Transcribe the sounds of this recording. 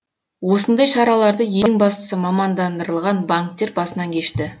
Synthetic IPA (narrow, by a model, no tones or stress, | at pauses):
wo̞sənd̪ɑjʃɑɾɑlˠɑɾd̪əje̞ŋbɑst̪ə̥səmɑmɑnd̪ɑnd̪əɾəlˠʁɑnbaŋk̚t̪ːe̞ɾbɑsənɑŋkʲʰeʃt̪ɪ